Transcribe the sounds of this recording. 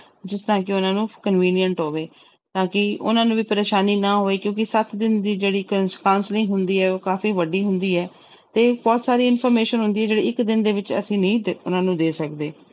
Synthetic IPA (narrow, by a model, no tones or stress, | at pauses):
d͡ʒɪst̪ɾãːkɪʊnãːnũːkənʋiːnijəɳʈɦoːʋeː | t̪ãːkɪʊ̰nãːnũːʋiːpəɾeːʃaːniːnãːɦoːeːkjõːk̬ɪsət̪d̪ɪnd̪iːd͡ʒeːɽiːkaːʊnslɪ̃ŋɡɦʊnd̪iːɛːoːkaːfiːʋəɖiːɦʊnd̪iːɛː | t̪eːbɔːt̪saːɾiːɪnpʰɔːɾmeːʃənɦʊ̃nd̪iːɛːd͡ʒeːɽiːɪkd̪ɪnd̪eːʋɪt͡ʃə̰sĩːnĩːd̪ʊnãːnũːd̪eːsəkd̪eː